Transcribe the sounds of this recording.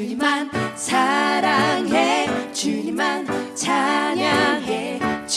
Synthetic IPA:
mansʰaɾaŋɦet͡ɕimansʰaɲaŋɦet͡ɕ

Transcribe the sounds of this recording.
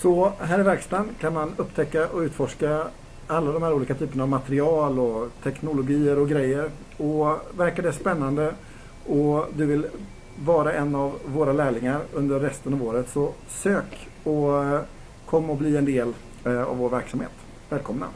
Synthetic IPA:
sɔɦæːɾɪvæɾkst̪ankʰanmanɵpːt̪ʰɛkːaʔɔʉ̟ːt̪fɔʂka | alːad̪ɔmhæːɾuːliːkat̪ʰyːpəɳaːvmat̪ɾɪɑːlɔt̪ʰɛknʊlʊɡiːəɾɔɡɾɛjːəɾ | ɔvæɾkad̪ɛspɛnːand̪ə | ʔɔd̪ɵvɪl | vɑːɾaʔɛnːavːoːɾalæːɭɪŋaɾɵnd̪əɾːɛst̪ənɑːvoːɾət̪sɔ | søːk | ɔ | kʰɔmːaɔbliːɛnd̪eːl | a̰voːɾvæɾksamhḛːt̪ | vɛːlkʰɔmna̰

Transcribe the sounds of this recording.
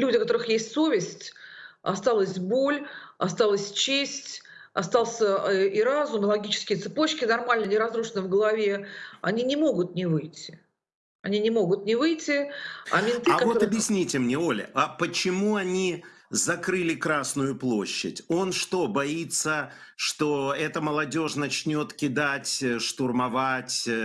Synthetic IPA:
lʲudʲɪkɐt̪o̞ɾɨxjesʲtʲso̞vʲɪsʲtʲɐ̰st̪alˠəsʲbo̞lʲɐst̪alˠəsʲt͡ɕesʲtʲ | ɐst̪ɑlˠsʲəiɾazʊmlˠɐɡʲit͡ɕɪ̥skʲɪjət̪sɨpo̞t͡ɕkʲɪnɐrmalʲnənʲɪɾɐzɾuʂənəvɡəlˠɐvʲe̞ɐnʲinʲɪmo̞ɡʊt̪̚nʲɪvɨjtʲːɪ̥ | ɐnʲinʲɪmo̞ɡʊt̪̚nʲɪvɨjtʲːɪɐ̰mʲɪnt̪ɨakvo̞ɐbʲjɪsʲnʲitʲɪmnʲeo̞lʲɪ̰apət͡ɕɪmuɐnʲizɐkɾɨlʲɪkɾasnʊjʊplˠo̞̰ɕːɪ̰tʲo̞nʂt̪o̞bɐit̪sːə | ʂt̪o̞ɛt̪əməlˠɐdʲo̞ʂnɐt͡ɕnʲo̞t̪kʲɪd̪atʲʂt̪ʊrmɐvatʲ

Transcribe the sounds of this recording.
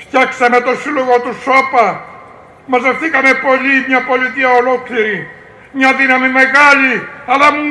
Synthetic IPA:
ft̪jaksemet̪osiloɣot̪usopa | masefθikamepoʎimɲapoʎit̪iaolokliɾi | mɲaðinamimeɣaʎialam

